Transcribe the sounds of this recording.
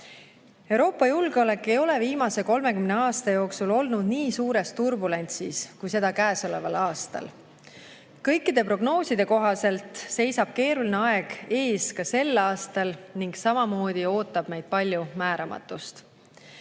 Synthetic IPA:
e̞wɾo̞ːpːˑɑjulɡeo̞le̞kːe̞jo̞le̞viːmɑse̞ko̞lme̞kymne̞ɑːst̪ɑjo̞ːksulo̞lnud̪niːsuːɾe̞st̪urbule̞nʲt̪siskujse̞d̪̥ɑkæːso̞le̞vɑlɑːst̪ɑ̰l | kɤjkːˑid̪̥e̞pro̞ɡ̥no̞ːsid̪e̞ko̞ɦɑse̞lt̪ˑse̞jsɑb̥̚ke̞ːɾulineɑe̞ɡ̥e̞ːskɑse̞lːɑːst̪ɑlniŋɡ̥sɑmɑmo̞ːd̪̥io̞ːt̪ːˑɑb̥me̞jd̪̥̚pɑlʲjumæːɾɑmɑ̰t̪ːˑust̪

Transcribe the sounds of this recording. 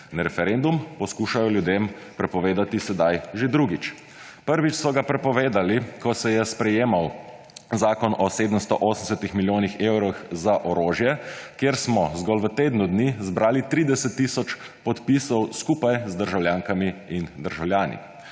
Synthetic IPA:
naɾɛfɛɾend̪umpɔskuːʃajɔljud̪eːmpɾɛpɔʋeːd̪at̪isɛd̪ajʒed̪ɾuɡit͡ʃ | pəɾʋit͡ʃsɔɡapɾɛpɔʋeːd̪alikɔsɛjɛspɾɛjeːmaw | zaːkɔnɔseːd̪əmst̪ɔʔoːsəmsɛt̪ixmiljoːnixewɾɔxzaʔɔɾoːʒjɛkjeːɾsmɔzɡɔlʋət̪eːd̪nud̪nizbɾaːlit̪ɾiːd̪ɛsɛt̪ːisɔt͡ʃpɔt̪pisɔwskuːpajzd̪əɾʒawljaːŋkamiind̪əɾʒawljaːnḭ

